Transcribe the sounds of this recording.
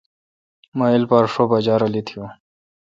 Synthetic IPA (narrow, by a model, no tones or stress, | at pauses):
mailpaɾʂobad͡ʑaːɾɐlit̪ʰijo